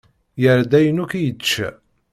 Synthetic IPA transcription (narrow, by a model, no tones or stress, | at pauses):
jəɾd̪æjənukijət͡ʃːæ̰